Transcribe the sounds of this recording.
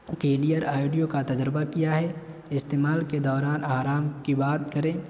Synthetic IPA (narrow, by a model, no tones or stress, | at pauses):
keːlijəɾaːɪɖijokat̪ɐd͡ʒɾɪbakijaɦɛ | ɪst̪eːmaːlked̪ɔːɾaːnaːɾaːmkibaːt̪kɐɾẽː